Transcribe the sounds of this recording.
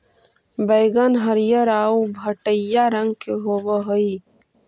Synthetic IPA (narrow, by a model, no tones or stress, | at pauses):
bəɪɡənɦəɾjəɾaːubʱəʈəjaɾə̃ŋɡ̚keɦowəɦoi